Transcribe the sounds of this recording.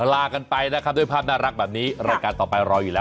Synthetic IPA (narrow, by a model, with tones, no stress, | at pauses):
laː˧ka˧npa˧jna˦˥kʰa˦˥p̚d̪u˥˩jpʰaː˥˩p̚naː˥˩ɾa˦˥k̚bɛː˨˩p̚niː˦˥ɾaː˧jkaː˧nt̪ɔː˨˩pa˧jɾɔː˧juː˨˩lɛː˦˥